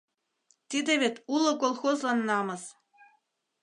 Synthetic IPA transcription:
t̪id̪ʲĕβʲet̪ʲulˠɤ̆kolˠxozlɑnːɑmɤ̆s

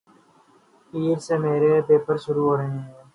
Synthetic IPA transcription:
iːɾseːmeːɾeːpeːpəɾʃʊɾuɦoːɾəɦẽɦɦɛ̃ː

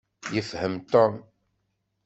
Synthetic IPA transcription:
jəfhəmt̪ɔm

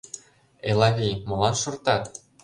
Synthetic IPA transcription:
elɑɣʲimɤ̆lɑnʃɤ̆rt̪ɑt̪

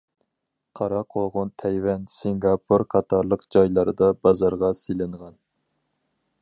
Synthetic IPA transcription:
qʰɑɾɑqʰoʁʊnt̪ʰɛjwɛnsiŋɡɑpʰuɾqʰɑt̪ʰɑɾlˠəqd͡ʒɑjlˠɑɾɨd̪ɑbɑzɑɾʁɑsilɪɴʁɑn

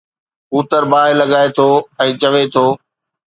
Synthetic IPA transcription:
uːt̪əɾbaːɦɪlɐɠaːet̪ʰoːɛ̃ːt͡ɕɐʋet̪ʰoː

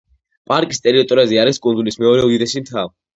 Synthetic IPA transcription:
pʼaɾkʼist̪ʼɛɾiɔt̪ʼɔɾaziaɾiskʼunzulismɛɔɾɛud̪id̪ɛʃimt̪ʰav

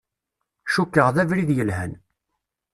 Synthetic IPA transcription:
ʃukːəʁðævɾiðjəlhæn

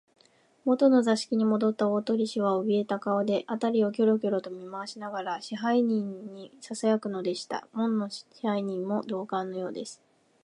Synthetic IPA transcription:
mo̞t̪o̞no̞zaɕi̥kʲiɲ̟imo̞d̪o̞t̪ːaoːt̪o̞ɾʲiɕiβaobʲie̞t̪akaod̪e̞ʔat̪aɾʲio̞k̬ʲo̞ɾo̞kʲo̞ɾo̞t̪o̞mʲimaaɕinaɡaɾaɕiɦaiɲ̟ĩɲːisasajakɯ̟no̞d̪e̞ɕi̥t̪a̰mõ̞nːo̞ihaiɲ̟ĩmmo̞d̪o̞ːkãnːo̞jo̞ːd̪e̞sɨ̥

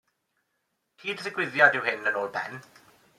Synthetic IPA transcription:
tʰiːdɪsɪɡwɪðjadɪwhɪnənoːlˠbʰɛ̰n

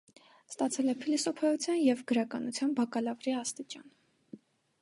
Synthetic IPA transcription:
st̪ɑt͡sʰɛlɛpʰilisɔpʰɑjut͡sʰjɑnjɛvɡəɾɑkɑnut͡sʰjɑnbɑkɑlɑvɾiɑst̪it͡ʃɑn

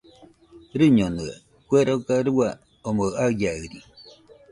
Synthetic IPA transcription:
ɾɨɲonɨḛ | kweɾokaɾua | omoajaɯɾi

